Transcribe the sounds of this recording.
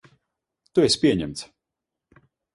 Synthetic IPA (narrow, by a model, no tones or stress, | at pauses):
t̪uɛsʲpʲiɛɲɛmt̪s